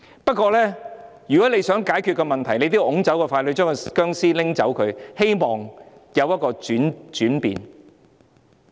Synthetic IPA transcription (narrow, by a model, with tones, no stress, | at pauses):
pɐ˥t̚kʷɔː˧lɛː˥ | jyː˨kɔ˨˥le˨˧jsœː˨˥ŋkaː˨˥jkʰy˧t̚kɔː˧mɐ˨nt̪ʰɐ˨˩jle˧jt̪iː˥wʔʊ˨˥ŋt͡sɐ˨˥wkɔː˧faː˧lɵ˨˧ɥt͡ʃœː˥kɔ˧kœː˥ŋsiː˥lɪ˥ŋt͡sɐ˨˥wkʰɵ˨˧ɥhe˥jmɔː˨ŋjɐ˨˧wjɐ˥t̚kɔː˧yː˨˥nt͡ʃyː˨˥npḭː˨˧n